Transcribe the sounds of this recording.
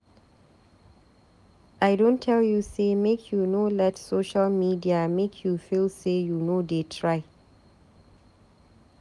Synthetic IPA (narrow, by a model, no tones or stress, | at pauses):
ʔaɪdõntʰːɛljusemekʰjunolɛtsoʃalmidiamekʰjufilˠsejunodetʰɹaɪ